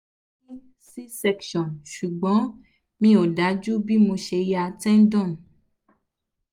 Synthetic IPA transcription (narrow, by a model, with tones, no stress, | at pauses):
i˦ | si˦sɛ˧kʃɔ̃˨nʃu˨ɡ͡bɔ̃˨˦ | mĩ˧o˨da˨˦d͡ʒu˦bi˦mo˧ʃe˧ja˧tɛ̃˦n̩˦dɔ̃˦˨n˨